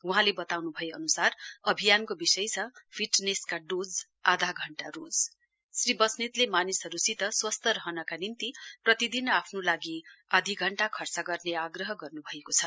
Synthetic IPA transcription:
uɦãlebʌt̪awnubʱʌeʌnusarʌbʱijankobisʌjt͡sʰʌpʰiʈneskaɖod͡z | ad̪ʱaɡʱʌɳʈaɾod͡z | sribʌsnit̪lemanisɦʌɾusit̪ʌswʌst̪ʌɾʌɦʌnʌkanint̪iprʌt̪id̪inapʰnolaɡiʌd̪ʱiɡʱʌɳʈakʰʌrt͡sʌɡʌrneaɡrʌɦʌɡʌrnubʱʌekot͡sʰʌ

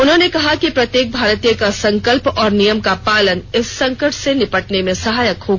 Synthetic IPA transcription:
ʊnɦõːnekɐɦakipɾɐt̪jeːk̚bʱaːɾt̪ijəkasɐ̃ŋkəlpɔːɾnijəmkapaːlənɪsːɐ̃ŋkəʈʰsenɪpəʈnemẽsɐɦaːjəkhoːɡa

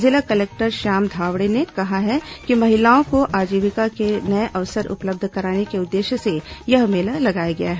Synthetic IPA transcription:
zɪlakɐleːk̚ʈəɾʃaːmd̪ʱaːʋɽenekɐɦaɦɛkimɐɦɪlaːõkoʔaːd͡ʒiːʋɪkakenɐeʔɐʋsəɾʊ̰pləb̚d̪ʱkɐɾaːnekeʊd̪ːeːʃəsejɐɦmeːlalɐɡaːjaɡɐjaɦɛː

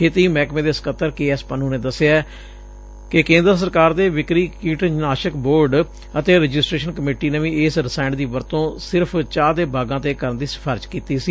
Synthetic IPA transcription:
kʰeːt̪iːmɛːkmẽːd̪eːsə̥kət̪ːəɾkeːɛːspənũːneːd̪əseaː | kɪkẽːnd̪ɾəs̬əɾkaːɾd̪eːʋɪkɾiːkiːʈəd͡ʒnaːʃəkboːɾɖ | ət̪eːɾəd͡ʒɪsʈɾeːʃənkəmeːʈiːneʋĩːɪsɾɪsaːɪɳɖd̪iːʋəɾt̪õːsɪɾpʰt͡ʃaːd̪eːbaːɡãːt̪eːkəɾənd̪iːsɪ̥pʰaːɾɪt͡ʃkiːt̪iːsiː

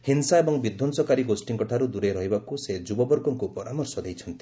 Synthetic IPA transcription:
hinsaebɔŋbid̪ʱːɔnsɔkaɾiɡosʈiŋkɔʈʰaɾud̪uɾeɾɔɦibakused͡ʒubɔbɔɾɡɔŋkupɔɾamɔɾsɔd̪ejt͡ʃʰɔnt̪i̥

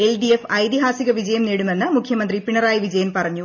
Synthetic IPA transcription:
elɖiefɐjt̪iɦaːsiɣɐʋid͡ʑɐjɐmniːɽume̞nːɨmukʰjɐmɐnd̪ripiɳɐraːjiʋid͡ʑɐjɐmpɐrɐɲːu

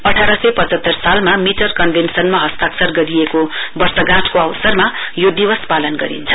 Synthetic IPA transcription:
ʌʈʰaɾʌsʌpʌt͡sʌt̪ːʌrsalmamiʈʌrkʌnbʱensʌnmaɦʌst̪aksʌrɡʌɾijekobʌrsʌɡãʈkoawsʌrmajod̪iwʌspalʌnɡʌɾḭnt͡sʰʌ̥

